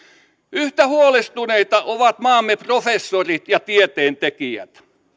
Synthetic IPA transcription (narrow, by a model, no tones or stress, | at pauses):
yht̪æhuolest̪uneit̪ɑʔoʋɑt̪mɑːmːeprofesːorit̪jɑt̪iet̪eːnt̪ekiæ̰t̪